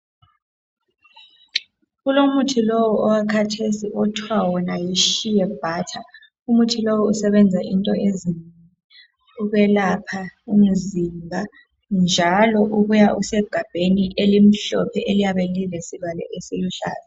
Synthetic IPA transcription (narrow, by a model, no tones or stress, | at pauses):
ɣulomutʰilowɔɔwakʰatʰesiʔɔtʰwawɔnajiʃijɛb̥ʱaːtʰa | umutʰilowɔusɛβɛnd͡zʱaʔintʼɔezin | uɣɛlapʰaum̩zimbʱa | nd͡ʒʱalɔʔuɣujausɛɡ̥ʱab̥ʱeniʔelim̩ɬɔ̰pʰɛʔelijaβɛlilesiβalɛ̰ʔesiluɬa̰ːzɛ